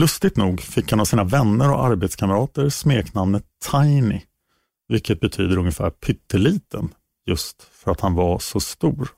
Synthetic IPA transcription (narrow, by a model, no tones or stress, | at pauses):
lɵst̪ɪt̪nuːɡfɪkhanavsiːnavɛnːəɾɔ̰aɾbeːt̪skʰaməɾɑːt̪əɾsmeːknamnət̪ʰːajnɪ | vɪlkːət̪̚bɛt̪ʰy̰ːd̪əɾɵŋjəfæ̰ːɾpʰʏt̪ʰːəliːt̪ən | jɵst̪ | fœɾat̪hanvaʂɔst̪uːɾ